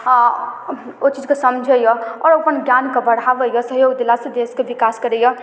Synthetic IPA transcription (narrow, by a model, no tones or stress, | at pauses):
ot͡ʃid͡ʒkesʌmd͡ʒʱəjɔɔɾəpənɡjankebəɽ̤abəjɔsʌɦjoɡd̪elasẽd̪eskebikaskəɾejʌ